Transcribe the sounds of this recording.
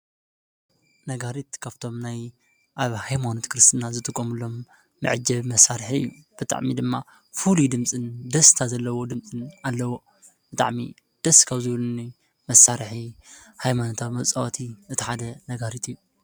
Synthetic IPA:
nɐɡaɾit̪kʰaβt̪ʰo̞mnaj | ʔaβhajmanot̪kɾɨst̪ʰɨnazɨt̪ʼɨkʼːomɨlo̞mː | ɨ̰ʕɨd͡ʒɐβmɐsːaɾħiɨ̰jːub̥ɨt̪ʼa̰ʕmid̪ɨmːa | fulud̪ɨmt͡sʼɨnd̪ɐst̪ʰazɐlːɐwo̞d̪ɨmt͡sʼɨnalːɐwo̞ | b̥ɨt̪ʼa̰ʕmḭ | d̪̥ɐskʰaβzɨβlɨni | mɐsːaɾħi | hajmanot̪ʰaβmɐβt͡sʼawat̪ʰiʔɨt̪ʰi̥ħad̪ɐnɐɡaɾit̪ʰɨjːu

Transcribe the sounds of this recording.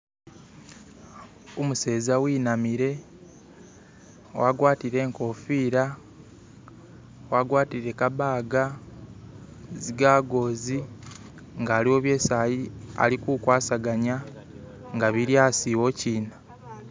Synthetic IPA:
omuse̞ːzawiːnamiɾe̞ | waɡwaːtiɾe̞ːŋko̞fiːɾa | waɡwaːtiɾe̞kaβaːɡa | ziɡaːɡo̞ːzi | ŋɡaːliwo̞ːβje̞ːsaːjia̰likukwaːsaɡaɲa | ŋɡaβiɾjaːsiwo̞ciːna

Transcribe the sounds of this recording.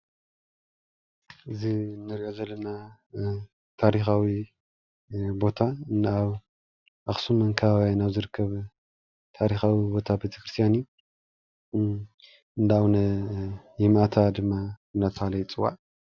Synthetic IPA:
ʔɨzinːɨɾiʔozɐlːɐna | t̪ʰaɾixawi | bo̞t̪ʰaɨnaβ | ʔaxsumɨŋkʰɐβaβjanaβzɨɾɨkʰːɐβ | t̪ʰaɾixawibo̞t̪ʰabet̪ʰɐ̥kɾɨst̪ʰijanu | ɨnd̪aawnɐ | jɪmat̪ʰad̪ɨmːaɨnd̪at̪ʰɐxalɐjt͡sʼɨwːa̰ʔ

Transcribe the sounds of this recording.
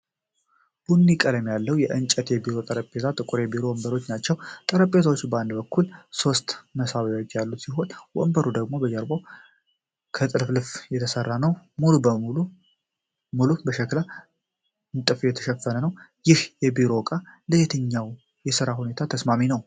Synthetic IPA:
b̥unːikʼələmjalːəwjɛʔɨnt͡ʃʼət̪jɛbiɾo̞t̪ʼəɾəpʼːe̞t̪ʰat̪ʼɨkʼuɾebiɾo̞wɔmbəɾo̞t͡ʃːnat͡ʃːɛwt̪ʼəɾəpʼːet̪awot͡ʃːbəand̪bəkːulso̞st̪məsaβjot͡ʃːjalːusiɦo̞nwɔ̰mbəɾud̪əɡmo̞bəd͡ʒəɾbo | kʰət̪ʼɨlflɨfjɛt̪ʰəsərːanəwmulub | mulubəʃɛkla | ɨnt̪ʼɨfjɛt̪ʰə̥ʃɛfːənənəwjɪhjɛbiɾo̞kʼaləjɛt̪ʰəɲːaw | jɛsɨɾaɦune̞t̪ʰat̪ʰəsmaminəw

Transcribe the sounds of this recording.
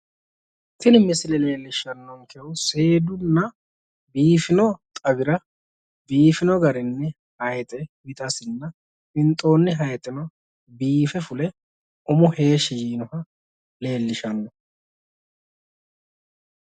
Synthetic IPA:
t̪ɪnɪmɪsɪlɛle̞ːlːɪʃːɐnːɔŋkʰɛwʊse̞ːd̪ʊnːɐ | biːfɪnɔt̪ʼɐɡɪɾɐ | biːfɪnɔɡɐɾɪnːɛ | hɐjɛt̪ʼɛbɪt̪ʼɐsɪnːɐ | ɪnt̪ʼːo̞ːnːɪɦɐjt̪ʼɪnɔ | biːfɛfʊlɛ | ʊmʊhe̞ːʃijiːnɔhɐ | le̞ːlːɪʃɐnːɔ

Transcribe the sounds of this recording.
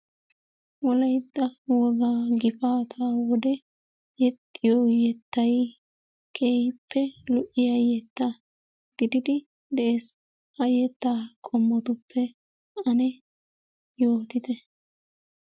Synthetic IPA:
wɔlɐjd̪ːɐwɔɡaːɡɪfaːt̪ʰaːwɔd̪ɛ | jɛt̪ʼːɪjojɛt̪ːɐj | kʰʼeːjpʰːɛlʊʔɪjɐjɛt̪ːa | ɡ̥ɪd̪ɪd̪ɪ | d̪ɛʔeːs | ɐjɛt̪ːaːkʼɔmːɔt̪ʊpʰːɛ | ɐnɛ | joːt̪ɪt̪ɛ

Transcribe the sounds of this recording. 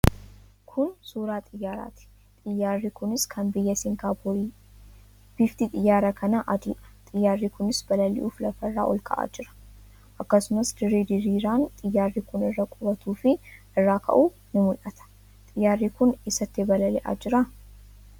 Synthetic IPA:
kʰʊnsuːɾaːt̪ʼɪjːaːɾa̰ːt̪ɪ̥ | t̪ʼɪjːaːrːikʊnɪskʰɐnbɪjːɐsɪŋkaːb | b̥ift̪it̪ʼɪjːaːɾɐkʰɐnɐʔɐd̪ḭːʔɐ̥t̪ʼɪjːaːrːiːkʊnɪsbɐlɐlːɪ̰ʔṵːflɐfɐrːaːʔɔlkʼɐ̰ʔa̰ːd͡ʒɪɾɐ̥ | ʔɐkːɐsʊmɐsd̪ɪɾeːd̪ɪɾiːɾaːnt̪ʼɪjːaːrːikʊnɪrːɐkʼʊɾɐt̪uːfɪʔɪrːaːkʰɐ̰ʔuː | nʊmʊlʔɐt̪ʰɐ̥ | t̪ʼɪjːaːrːiːkʊnɪsɐt̪ːebɐlɐlɛ̰ʔa̰ːd͡ʒɪɾɐ

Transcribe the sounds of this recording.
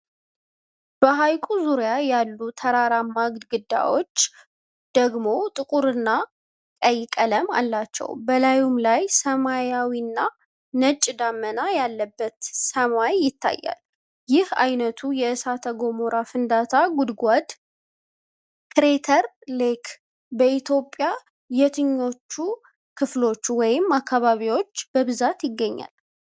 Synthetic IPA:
b̥əɦajkʼuzuɾjajalːut̪ʰəɾaɾamaɡd̪ɡɨd̪ːa̰wo̞t͡ʃː | d̪̥əɡmo̞t̪ʼɨkʼuɾɨnːa | kʼəjːɪkʼələma̰lːat͡ʃːɛ̰wbəlajumlajsəmajawinːa | nət͡ʃʼd̪amːənajalːəbːət̪səmajːɪt̪ʰːa̰jːa̰l | jɪhajnət̪ʰujɛɨsat̪ʰəɡo̞moɾafɨnd̪at̪ʰaɡud̪ɡʷad̪ | kɾet̪ʰəɾ | lekʰ | bəʔit̪ʰjo̞pʼja | jɛt̪ʰɨɲːo̞t͡ʃːu | kʰɨflo̞t͡ʃːwɔjɪmːakʰːaβaβiwo̞t͡ʃːb̥əβɨzat̪jɪɡːəɲːa̰l

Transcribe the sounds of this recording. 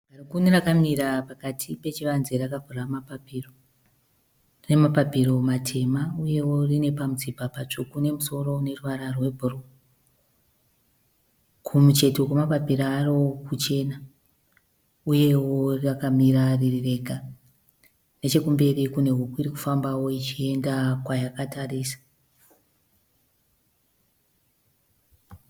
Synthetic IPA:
arikunerakamiɾapakatʰipe̞t͡ʃiʋanzerakavʱuramapapiro | re̞mapapiro̞matʰe̞mauje̞wo̞rine̞pamud͡zibʱapat͡ʂukune̞muso̞ro̞ne̞ruʋaɾarwe̞bʱuro | kʰumut͡ʃe̞tokemapapiɾaaːrookut͡ʃe̞na | uje̞wo̞rrakamiɾaririre̞ɡʱa | ne̞t͡ʃe̞kumbe̞rikune̞ɦukuiɾiku̥fambawo̞it͡ʃie̞ndakwajakatarisḁ

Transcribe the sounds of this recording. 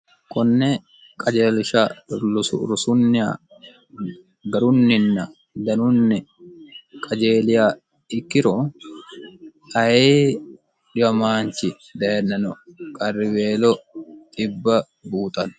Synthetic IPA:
kʼɔnːɛ | kʼɐd͡ʒeːlɪʃa | ɾʊsʊnːɪa̰ | ɡɐɾʊnːɪnːɐ | d̪ɐnʊnːɛ | kʼɐd͡ʒeːlɪjaː | ɪkːɪɾɔ | ɐjeː | ᶑɪwɐmaːnt͡ʃɪ | d̪ɐnːɐnɔkʼɐrːɪweːlɔt̪ʼɪbːɐ | buːt̪ʼɐn

